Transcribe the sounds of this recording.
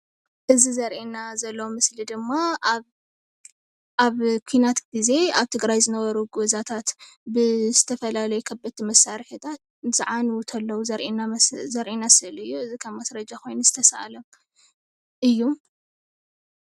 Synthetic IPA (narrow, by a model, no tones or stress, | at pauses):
ʔɨzizɐɾʔinazɐlːɐwumɨslid̪ɨmːa | ʔaβkʷʰinat̪ɡ̥ize̞aβt̪ʰɨɡɾajzɨnɐβɐɾuɡozat̪ʰat̪ | bɨzɨt̪ʰɐfɐlalɐjukʰɐbːɨt̪ʰːimɐsaɾiħut̪ʰat̪̚z̥ɨʕanwut̪ʰɐlːɐwuzɐɾʔinazɐɾʔinasɨlɨjːuɨzikʰɐmmasɾɐd͡ʒakʰo̞jnuzɨt̪ʰɐsa̰lɐm | ʔɨjːu